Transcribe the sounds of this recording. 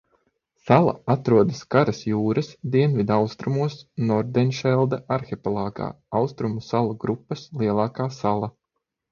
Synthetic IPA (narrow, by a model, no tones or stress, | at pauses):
salˠa̰at̪ɾuɔd̪ɐskaɾɐsjuːɾɐsd̪iɛnvid̪awst̪ɾumuɔsnɔɾd̪ɛnʃɛlˠd̪aʔaɾxepɔlˠɑːɡa̰ː | awst̪ɾumusalˠuɡɾupːɐslˠiɛlˠaːkaːsalˠa